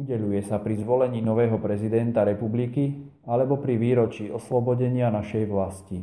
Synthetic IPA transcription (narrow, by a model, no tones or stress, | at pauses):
uɟɛʎujɛsapɾizʋɔlɛɲiːnɔʋɛːɦɔpɾɛzid̪ɛnt̪aɾɛpubliki | alɛbɔpɾiʋiːɾɔt͡ʃiːɔslɔbɔɟɛɲɪanaʃɛjʋlasci